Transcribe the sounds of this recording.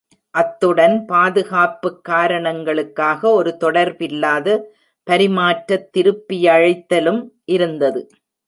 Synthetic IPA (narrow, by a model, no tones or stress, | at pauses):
ʔɐt̪ːɯɽɐnpaːðɯɣaːpːɯkːaːɾɐɳɐŋɡɐɭɯkːaːɣɐɔɾɯt̪ɔɽɐɾbɪlːaːðɐ | pɐɾɪmaːʈɾɐt̪ːɪɾɯpːɪjɐːɻɪt̪ːɐlɯmʔɪɾɯnd̪ɐðɯ